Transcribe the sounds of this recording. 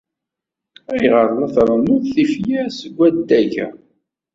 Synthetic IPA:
æjʁəɾˤnæθɾˤənʊðθifjæsəɡʷːæd̪æʝæ̰

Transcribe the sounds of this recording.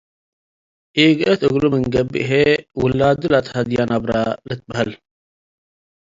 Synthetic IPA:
iːɡət̪əɡluməŋɡɐbḭɦewulːaːd̪ulat̪ʰhɐd̪ijaːnabɾa̰ːlət̪̚bɦɐl

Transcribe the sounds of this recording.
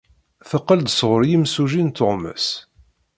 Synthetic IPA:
θəqːəld̪sʁʊɾjimsuʒint̪ʊʁmə̰s

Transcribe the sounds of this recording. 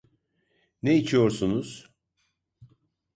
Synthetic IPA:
neit͡ʃʰijo̞ɾsunuz̥

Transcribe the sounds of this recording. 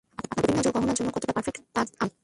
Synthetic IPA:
aaab̪ib̪ʱinːad͡ʑoɡɔɦonaɾd͡ʑonːokɔt̪ʰoʈapaɾfekʈt̪aa

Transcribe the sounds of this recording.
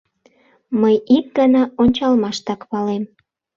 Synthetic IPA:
məjik̚ɡɑnɑonʲt͡ɕɑlmɑʃt̪ɑkpɑlem

